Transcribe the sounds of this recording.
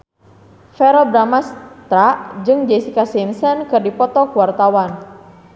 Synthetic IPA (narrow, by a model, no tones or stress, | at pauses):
fɛɾɔbɾamast̪ɾaʔd͡ʒɨŋd͡ʒɛsikasimsɛnkɨrdipɔt̪ɔkuwart̪awan